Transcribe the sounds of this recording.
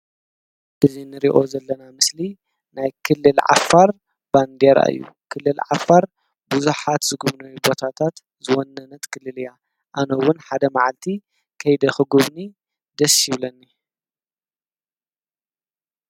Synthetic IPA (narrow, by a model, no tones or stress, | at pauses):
ʔɨzinɨɾiʔo̞zɐlːɐnamɨsli | najkʰɨlːɨlʕa̰fːaɾ | band̪eɾa̰ʔɨ̰jːṵkʰɨlːɨlʕa̰faɾ | buzuħat̪zɨɡuβnɐwibo̞t̪ʰat̪ʰat̪ | zɨwonːɐnɐt̪kʰɨlːɨlɨja | ʔanɐwʊnħad̪ɐmaʕalt̪ʰi | kʰɐjd̪ɐxɨɡuβni | d̪ɐsɪβlɐnːi